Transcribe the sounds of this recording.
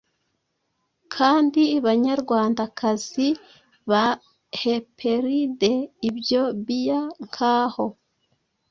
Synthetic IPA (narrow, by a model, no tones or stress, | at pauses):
kʰaːndiβaɲaɾɡwaːndakʰaz̥i | βa | hepʰe̞ɾideibjo̞βijaŋkʰaːho̞